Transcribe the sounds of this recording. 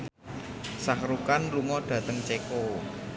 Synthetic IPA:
sahɾukanluŋɔɖ̪̥a̤t̪əŋt͡ʃeko

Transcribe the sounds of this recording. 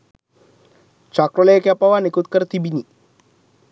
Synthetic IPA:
t͡ʃakɾələjəkeapaʋanekut̪kəɾət̪ibini

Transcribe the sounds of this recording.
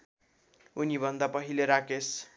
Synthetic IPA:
unibʱʌnd̪apʌɦileɾakes

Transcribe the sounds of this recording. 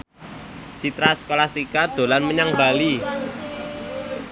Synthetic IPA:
d͡ʒ̥it̪ɾasə̥kolast̪ikad̪̥o̤lanməɲaŋbali

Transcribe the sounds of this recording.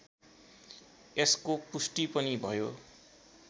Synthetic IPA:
eskopusʈipʌnibʱʌjo̰

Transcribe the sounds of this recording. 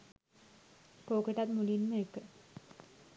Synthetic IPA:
koːkeʈat̪mulinməekə

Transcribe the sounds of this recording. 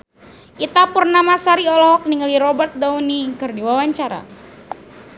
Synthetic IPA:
ʔit̪apurnamasaɾiɔlɔɦɔk̚niŋəliɾɔbərt̪̚daunikɨrdiwawaɲt͡ʃaɾa̰

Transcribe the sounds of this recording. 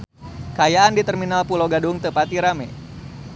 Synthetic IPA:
kajaandit̪ərminalpuloɡaduŋt̪əpat̪iɾamɛ

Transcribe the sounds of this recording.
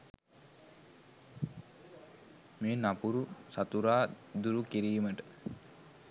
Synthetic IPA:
meːnapuɾusat̪uɾaːd̪uɾukiɾiːməʈə̥

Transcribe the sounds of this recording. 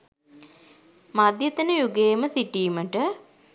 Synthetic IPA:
mad̪jet̪ənəjuɡeːməsiʈiːməʈə

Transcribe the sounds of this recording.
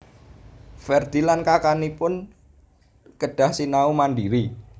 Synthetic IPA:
fɛrd̪̥ilankakanipʊn | kəɖ̥a̤hsinaumandiɾi

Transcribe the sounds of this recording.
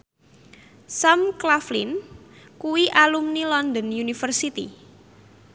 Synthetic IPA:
samklaflḭnkuwiʔalumnilɔnd̪ənjunifərsit̪ḭ

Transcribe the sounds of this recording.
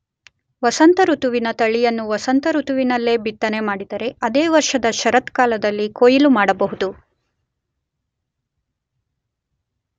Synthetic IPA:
ʋɐsɐnt̪ɐɾut̪uʋinɐt̪ɐɭijɐnːuʋɐsɐnt̪ɐɾut̪uʋinɐlːe̞ːbit̪ːɐne̞maːɽid̪ɐɾe̞ɐd̪eːʋɐɾʂɐd̪ɐʃɐɾɐt̪kaːlɐd̪ɐlːikoːjilumaːɽɐbɐɦud̪u

